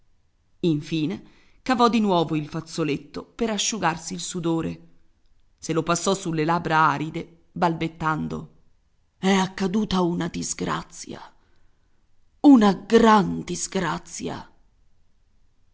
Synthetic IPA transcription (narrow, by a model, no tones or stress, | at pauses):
iɱfiːne | kavɔd̪ːinwɔːvoilfat̪sːolet̪ːopeɾaʃːuɡarsiːlsud̪oːɾe | selopasːɔsulːelabɾaaːɾid̪e | balbet̪ːand̪o̰ | ɛakːad̪uːt̪aunad̪izɡɾa̰t̪sːja̰ | unaɡɾand̪izɡɾat̪sːja̰